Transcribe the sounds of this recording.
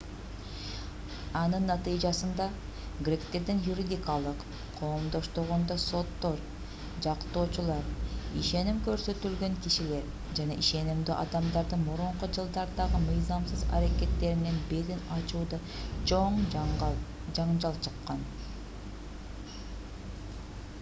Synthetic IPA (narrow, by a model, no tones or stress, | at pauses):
ɑnɯnːɑt̪ɯjd͡ʒɑsɯnd̪ɑ | ɡɾʲe̞kt̪e̞ɾd̪injuɾʲid̪ʲikɑlˠɯq | qʰo̞ːmd̪o̞ʃt̪oʁond̪oso̞t̪ːo̞ɾ | d͡ʒɑqt̪o̞ːt͡ʃulˠɑɾiʃe̞nimkø̞ɾsø̞t̪ylɡø̞ŋkiʃile̞ɾ | d͡ʒɑnɑʔiʃe̞nimd̪yʔɑd̪ɑmd̪ɑɾd̪ɯnmuɾuɴqud͡ʒɯlˠd̪ɑɾd̪ɑʁɯmɯjzɑmsɯzɑ̰ɾake̞t̪ːe̞ɾinnenbeɾinɑt͡ʃuːd̪ɑ | t͡ʃʰo̞ɴ | d͡ʒɑɴd͡ʒɑlˠt͡ʃʰɯqːɑn